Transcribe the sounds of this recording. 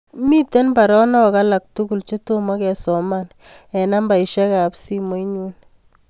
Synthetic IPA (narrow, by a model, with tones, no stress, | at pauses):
mi˦te˦nba˨ɾɔ˦nɔ˦kala˨k̚tuku˨lt͡ʃe˦to˦ma˦kɛ˨sɔ˨manɛ˨na˦mba˨iʃɛ˦ka˨psi˦mo˦iɲu˦n